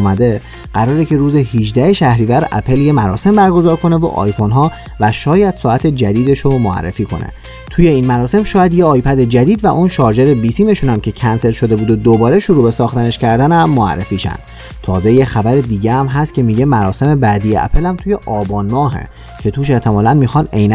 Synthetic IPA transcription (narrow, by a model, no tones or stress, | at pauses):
mæd̪e̞ | ɢ̥æɾɒːɾecʰe̞ɾuːzehid͡ʒd̪æheʃæhɾiːvæɾæ̰pʰe̞lje̞mæɾɒ̰ːse̞mbæɾɡo̞zɒːɾkʰo̞ne̞vo̰ʔɒ̰ːjfo̞nɦɒː | væʃɒːjæd̪̥sɒːæt̪ʰe̞d͡ʒæd̪iːd̪e̞ʃomoæ̰rːḛfiːkʰo̞̰nʔḛ | t̪ʰuːje̞iːnmæɾɒːse̞mʃɒːjæd̪je̞ɒːjpʰæd̪e̞d͡ʒæd̪iːd̪væʔunʃɒːd͡ʒe̞ɾe̞bisiːme̞ʃuːnæmcʰe̞cʰænse̞ɾʃo̞d̪e̞buːd̪od̪obɒːɾe̞ʃuɾuːbe̞sɒːxt̪æne̞ʃcʰæɾd̪ænæmːoæ̰rːḛfiːʃæ̰nd̪ | t̪ʰɒːzejexæbæɾe̞d̪iːɟeæmɦæst̪̚cʰe̞miːɟe̞mæɾɒːse̞me̞bæːd̪ijeʔæ̰pʰe̞læmt̪ʰuːje̞ʔɒːbɒːnmɒːɦḛ | cʰe̞t̪ʰuːʃe̞ʔt̪ʰemɒːlænmiːxɒːnejn